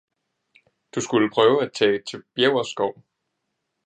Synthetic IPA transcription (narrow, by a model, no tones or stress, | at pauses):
d̥usɡ̥uləpʰʁœːʊæt͡sʰɛ̰ːt͡sʰe̝b̥jeʊɐsɡ̥ɒʊ̰